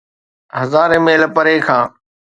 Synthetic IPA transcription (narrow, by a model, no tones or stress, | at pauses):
ɦəzaːɾẽːmeːləpəɾeːkʰãː